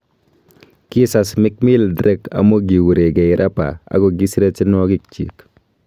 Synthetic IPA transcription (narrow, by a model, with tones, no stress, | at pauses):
ki˦sa˨smɪ˦k̚mi˦ldɾɛ˦ka̰˨mo˦ɡi˨wu˨ɾe˨ɡa˨ji˨ɾʔa˦pa̰˨a̰˦ɡo˨ɡi˦sɾe˦t͡ʃi˦nɔ˦ɡi˦k̚t͡ʃḭ˨k